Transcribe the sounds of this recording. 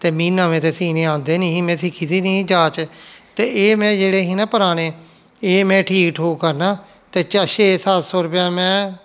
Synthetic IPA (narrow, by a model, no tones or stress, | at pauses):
t̪eːmiːnãːmẽːt̪eːsiːneːãːnd̪eːnĩːĩːmɛ̃ːsɪkʰiːt̪iːnĩːd͡ʒaːt͡ʃt̪eːeːmɛ̃ːd͡ʒeːɽeːɦiːnãːpəɾaːneː | eːmɛ̃ːʈʰiːkkɦoːkəɾnaː | t̪eːt͡ʃəʃeːsaːt̪soːɾʊpjãːmɛ̃ː